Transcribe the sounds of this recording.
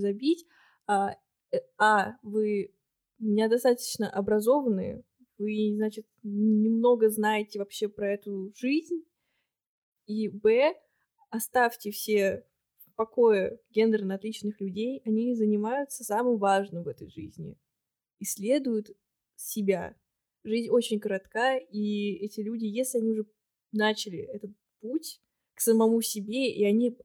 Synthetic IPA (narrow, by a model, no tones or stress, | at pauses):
zɐbʲitʲ | a | avɨ | mʲɪnʲad̪ɐst̪at̪ə̥t͡ɕnəʔɐbɾɐzo̞vənɨ̰jə̰ | vɨznat͡ɕɪt̪nʲɪmno̞ɡəznajɪtʲɪvɐpɕːe̞pɾɐɛt̪ʊʐɨzʲnʲ | ibɛ | ɐst̪afʲtʲɪfsʲe | pɐkojəɡʲend̪ɾənɐt̪lʲit͡ɕnɨxlʲʉdʲejɐnʲizənʲɪmajʊt̪səsamɨmvaʐnɨmvɛt̪əjʐɨzʲnʲɪ̰ | isʲlʲe̞d̪ʊjʊt̪ | sʲɪbʲa̰ | ʐɨzʲnʲo̞t͡ɕɪnʲɡəɾɐt̪kaiɛtʲɪlʲudʲɪjesʲlʲɪɐnʲiʊʐɛ | nat͡ɕɪlʲɪ̰ɛt̪ət̪̚putʲ | ksəmɐmusʲɪbʲe̞ʔiɐnʲi